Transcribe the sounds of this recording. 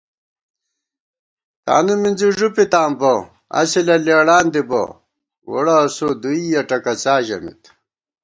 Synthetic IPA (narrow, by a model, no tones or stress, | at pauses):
t̪a̰ːnuminziʐupit̪aːmbɐ | ɐ̰silɐleːɽaːnd̪ibɐ̰ | wo̰ɽɐsod̪uijɐʈɐkɐt͡saːʑɐ̰mḭt̪